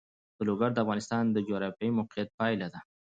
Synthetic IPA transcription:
d̪̥əloɡaɾd̪əafɣɑnɪst̪ɑnd̪əd͡ʒioɾafjɑimʊqijat̪̚pɑjlad̪a

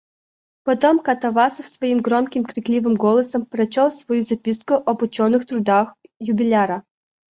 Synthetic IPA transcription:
pɐt̪omkɐt̪ɐvasfsvɐimɡɾɔmkʲɪmkɾʲɪklʲivɨmɡolˠəsəmpɾɐt͡ɕolˠsvɐjuzɐpʲiskʊʔɐbʊt͡ɕonɨxt̪ɾʊd̪axjʊbʲɪlʲaɾɐ

